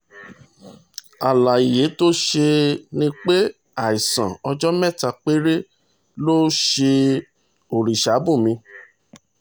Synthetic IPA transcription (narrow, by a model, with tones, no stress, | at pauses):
a˨la˨i˨je˨˦to˦ʃe˧nĩ˦k͡pe˦ | a˨i˨sã˨ɔ˧d͡ʒɔ˦mɛ̃˦˨ta˨k͡pe˦ɾe˦ | lo˦ʃe˧ | o˨ɾi˨ʃa˨˦bu˦˨mĩ˧